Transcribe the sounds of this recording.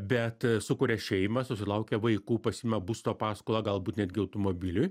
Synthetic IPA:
bʲɛt̪sʊkʊɾʲɛʃʲɛɪmɐsʊsʲɪlˠɐʊkʲɛʋɐɪkuːpɐsʲiːmʲɐbust̪oːpɑːskoːlˠɑːɡɐlˠbuːt̪nʲæːd̪ʲɡʲɪɐʊt̪omoːbʲɪlʲʊj

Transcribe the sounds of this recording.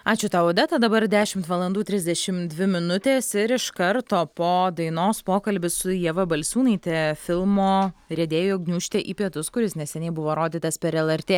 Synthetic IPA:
ɑːt͡ʃʲʊt̪ɑːoːd̪ʲɛt̪ɐd̪ɐbɐɾd̪ʲæːʃʲɪmt̪ʋɐlˠɐnd̪uːt̪ʲɾʲɪzʲd̪ʲɛʃʲɪmd̪ʲʋʲɪmʲɪnʊt̪ʲeːsɪɾɪʃkɐɾt̪oːpoːd̪ɐɪnoːspoːkɐlʲbʲɪsʊjɛʋɐbɐlʲsʲuːnɐɪt̪ʲiɛfʲɪlˠmoːɾʲɛd̪ʲeːjoːɡnʲuːʃʲt̪ʲɛʔiːpʲiɛt̪ʊskʊɾʲɪsnʲɛsʲɛnʲɛɪbʊʋoːɾoːd̪ʲiːt̪ɐspʲɛɾɛlˠɛɾʲt̪ʲeː

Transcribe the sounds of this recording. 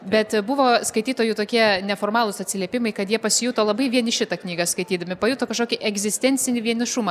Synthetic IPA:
bʲɛt̪bʊʋoːskɐɪt̪ʲiːt̪oːjut̪oːkʲiɛnʲɛfoːrmɑːlˠʊsɐtʲsʲɪlʲiɛpʲɪmɐɪkɐt̪jiɛpɐsʲɪjuːt̪oːlˠɐbɐɪʋʲiɛnʲɪʃʲɪt̪ɐknʲiːɡɐskɐɪt̪ʲiːd̪ɐmʲɪpɐjuːt̪oːkɐʃkoːkʲiʔɛɡzʲɪsʲt̪ʲɛnʲt͡sʲɪnʲɪʋʲiɛnʲɪʃʊmɐ

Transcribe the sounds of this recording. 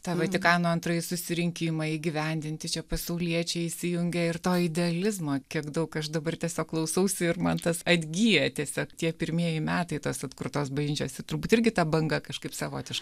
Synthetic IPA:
t̪ɑʋɐt̪ʲɪkɑːnoːɐnt̪ɾɐːjɪsʊsʲɪɾʲɪŋʲkʲɪmɐiːɡʲɪʋʲɛnʲd̪ʲɪnʲt̪ʲɪt͡ʃʲɛpɐsɐʊlʲiɛt͡ʃʲɛɪsʲɪjʊŋʲɡʲɛɪrt̪oːɪd̪ʲɛɐlʲɪzmoːkʲiɛkd̪ɐʊkɐʃd̪ɐbɐrt̪ʲiɛsʲoːkːlˠɐʊsɐʊsʲʊɪrmɐnt̪ɐsɐd̪ʲɡʲiːjɛt̪ʲiɛsʲoːkt̪ʲiɛpʲɪɾʲmʲiɛjɪmʲæːt̪ɐɪt̪oːsɐt̪kʊrt̪oːsbɐʒʲɪnʲt͡ʃʲoːsʲɪt̪ʊɾbuːt̪ɪrʲɡʲɪt̪ɐbɐŋɡɐkɐʃkɐɪpsɐʋoːt̪ʲɪʃkɐɪ

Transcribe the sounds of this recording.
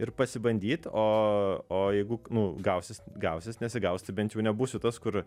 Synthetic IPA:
ɪɾpɐsʲɪbɐnʲd̪ʲiːt̪oːoːjɛɪɡʊnʊɡɐʊsʲɪsɡɐʊsʲɪsnʲɛsʲɪɡɐʊsʲt̪ʲɪbʲɛnt̪jɛʊnʲɛbuːsʲʊt̪ɐskʊɾ

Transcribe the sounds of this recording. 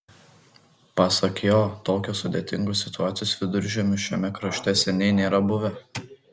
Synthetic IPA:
pɑːsɐkjoːt̪oːkʲosʊd̪ʲeːt̪ʲɪŋɡosʲɪt̪ʊaːt̪sʲɪjoːsʋʲɪd̪ʊɾʲʒʲɛmʲɪʃʲɛmʲɛkɾɐʃʲt̪ʲɛsʲɛnʲɛɪnʲeːɾɐbʊʋʲɛ

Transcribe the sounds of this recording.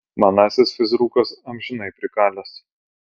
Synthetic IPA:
mɐnɑːsʲɪsfʲɪzɾuːkɐsɐmʲʒʲɪnɐɪpʲɾʲɪkɑːlʲɛs

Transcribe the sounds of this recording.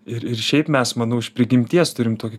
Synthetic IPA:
ɪɾɪɾʃʲɛɪpmʲɛsmɐnʊːɪʃpʲɾʲɪɡʲɪmʲt̪ʲiɛst̪ʊɾʲɪmt̪oːkʲɪ

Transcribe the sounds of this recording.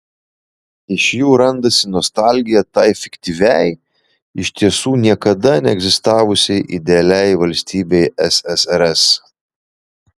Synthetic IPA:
ɪʃjuːɾɐnd̪ɐsʲɪnɔst̪ɑˑlʲɡʲɪjɛt̪ɑɪfʲɪkʲt̪ʲiʋʲɛɪ | ɪʃt̪ʲiɛsuːnʲiɛkɐd̪ɐnʲɛɛɡzʲɪst̪ɑːʋʊsʲɛɪʔɪd̪ʲɛɐlʲɛɪʋɐlʲsʲt̪ʲiːbʲɛɪɛsɛsɛɾɛs

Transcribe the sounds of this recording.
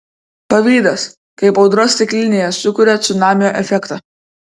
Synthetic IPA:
pɐʋʲiːd̪ɐs | kɐɪpɒʊd̪ɾoːsʲt̪ʲɪkʲlʲɪnʲeːjɛsʊkʊɾʲɛt̪sʲʊnɑːmʲɪjoːʔɛfʲɛkt̪ɑː

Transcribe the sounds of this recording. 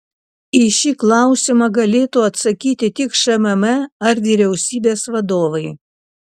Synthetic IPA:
iʃʲiːklˠɑˑʊsʲɪmɐɡɐlʲeːt̪uːɐt̪sɐkʲiːt̪ʲɪt̪ʲɪkʃɐmɛmɛɐɾʋʲiːɾʲɛʊsʲiːbʲeːsʋɐd̪oːʋɐɪ

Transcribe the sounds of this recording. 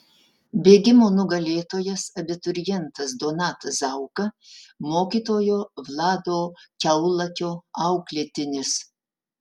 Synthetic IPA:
bʲeːɡʲɪmoːnʊɡɐlʲeːt̪oːjɛsɐbʲɪt̪ʊɾʲɪjɛnt̪ɐsd̪oːnɑːt̪ɐsɐʊkɐmoːkʲiːt̪oːjoːʋlˠɑːd̪oːkʲɛʊlˠɐkʲoːɐʊklʲeːt̪ʲɪnʲɪs

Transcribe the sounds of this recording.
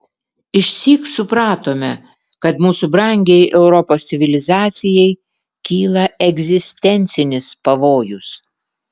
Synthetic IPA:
ɪʃʲsʲiːksʊpɾɑːt̪oːmʲɛ | kɐt̪muːsubɾɐˑŋʲɡʲɛjʔɛʊɾɔpoːsʲt̪ʲɪʋʲɪlʲɪzɑːt̪sʲɪjɛɪ | kʲiːlˠɐɛɡzʲɪsʲt̪ʲɛnʲt̪sʲɪnʲɪspɐʋoːjʊs

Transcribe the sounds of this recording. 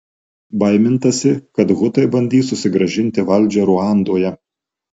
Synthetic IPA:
bɐɪmʲɪnt̪ɐsʲɪkɐt̪ɣʊt̪ɐɪbɐnʲd̪ʲiːsʊsʲɪɡɾɐʒʲɪnʲt̪ʲɪʋɐlʲˑd͡ʒʲɛɾuɑˑnd̪oːjɛ

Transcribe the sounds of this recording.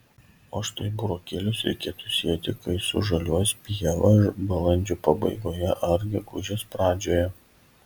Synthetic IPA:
oːʃt̪ɐɪbʊɾoːkʲeːlʲʊsɾʲɛ̰ɪkʲeːt̪uːsʲiːɛt̪ʲɪkɐɪsʊ̰ʒɐlʲuɔspʲiɛʋɐbɐlˠɐnʲd͡ʒʲuːpɐbɐɪɡoːjɛʔɐɾʲɡʲɪɡʊʒʲɛːspɾɑːd͡ʒʲoːjɛ

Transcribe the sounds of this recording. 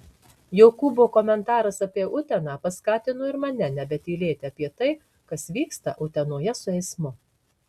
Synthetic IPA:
joʊkuboːkɔmʲɛnt̪ɑːɾɐsɐpʲiɛʊt̪ʲɛnɑːpɐskɑːt̪ʲɪnoːɪɾmɐnʲɛnʲɛbʲɛt̪iːlʲeːt̪ʲɪɐpʲiɛt̪ɐɪ | kɐsʋʲiːkst̪ɐ̰ʔʊt̪ʲɛnuːjɛsʊɛɪsmʊ

